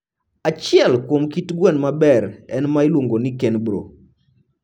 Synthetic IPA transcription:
at͡ʃɪɛlkwomkitɡwɛnmabɛɾɛnmailwoŋɡonikɛnbɾo̰

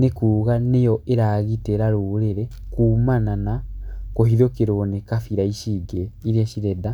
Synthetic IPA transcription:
nekuːɣanejoʔeɾaɣiteɾaɾuːɾeɾɛkuːmananakohiðokeɾonekafiɾaiʃiɡeiɾiaʃiɾɛda

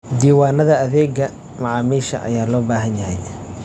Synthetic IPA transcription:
d̪iːwaːnɐðɐɐðɛːɡɐ | mɐʕɑːmiːʃɐ̰ʔɐ̰jaːlɔːbaːɦɐnjɐɦɛj

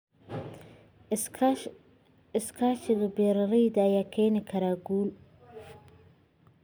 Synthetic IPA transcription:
ɪskʰaːʃɪɣɐbɛɾɐɾɛjd̪ɐːjaːkʰɛːnɪkʰɐɾaːɡuːl

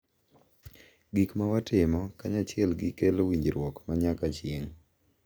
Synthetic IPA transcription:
ɡikmawatɪmɔkaɲat͡ʃɪɛlɡɪkelowiɲd͡ʒɾwɔkmaɲakat͡ʃjeŋ

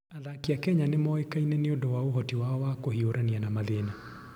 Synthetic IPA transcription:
aðakiakɛɲanemɔekainɛneondɔwaoɦɔtiwaɔwakohioɾʔanianamaðena

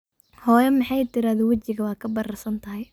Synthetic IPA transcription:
hɔːjɐmɪħɑjt̪ʰɪɾaːðɔːwɐt͡ʃɪɣɐwɑːkʰɐbɐɾɐrsɐnt̪ʰɐɦɛj

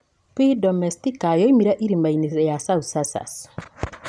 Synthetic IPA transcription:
pidɔmɛstikajɔimiɾaʔiɾimainisɛjasausasa̰s

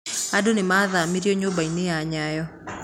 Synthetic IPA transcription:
aɗunimaðaːmiɾiɔɲɔbainijaːɲajɔ

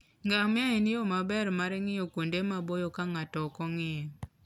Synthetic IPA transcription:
ŋɡamɪaenɪjɔmabɛrmaɾɛŋɪjokwondemabojɔkaŋatɔkɔŋɪɛ

